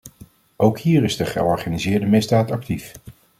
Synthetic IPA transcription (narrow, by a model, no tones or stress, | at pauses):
owkɦiːɹɪzdəχə̰ɔɹχaːnizɪːɹdəmɪzdaːtɑk̚tif